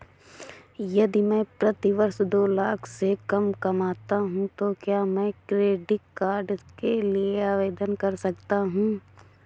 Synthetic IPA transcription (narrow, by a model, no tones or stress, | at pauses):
jɐd̪imɛ̃pɾɐt̪iʋɐɾʃd̪oːlaːkʰsekɐmkɐmaːt̪aɦũt̪okjaːmɛ̃kɾeːɖɪʈkaːɾɖkelieaːʋeːd̪ənkɐɾsɐkt̪aɦũː